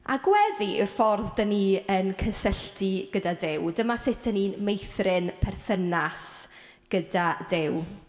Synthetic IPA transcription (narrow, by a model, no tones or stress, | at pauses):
a̰ɡwɛðiɪrfɔrðdəniːənkʰəsəɬtʰiɡ̥ədadɪwdəmasɪtʰəniːnmejθrɪnpʰɛrθənas | ɡ̥ədadɪw